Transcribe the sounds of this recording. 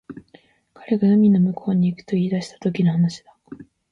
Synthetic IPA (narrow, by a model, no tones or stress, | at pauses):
kʰaɾe̞ɡanomʲino̞mɯ̟kʰo̞ːɲ̟iːkɯ̥t̪o̞iːd̪aɕi̥t̪ḁt̪o̞kʲinohanaɕi̥d̪̥a